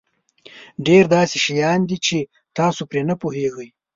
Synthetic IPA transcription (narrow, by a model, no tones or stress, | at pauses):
ɖeɾd̪ɑːseʃajɑːnd̪it͡ʃʰe | t̪ɑːsopɾenapoɦeɣəj